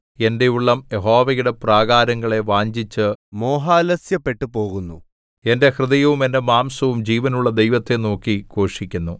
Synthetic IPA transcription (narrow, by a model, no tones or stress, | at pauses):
e̞nde̞uɭːɐmjeɦo̞ːʋɐjuɽepraːɡaːɾɐŋːɐɭe̞ʋaːɲd͡ʑit͡ɕːɨmoːɦaːlɐsjɐpːe̞ʈːupo̞ːɣunːṵ | e̞nde̞hrɨðɐjɐʋume̞nde̞maːmsɐʋumd͡ʑiːʋɐnuɭːɐd̪ejʋɐt̪ːe̞no̞ːkːiko̞ːʂikʲːunːu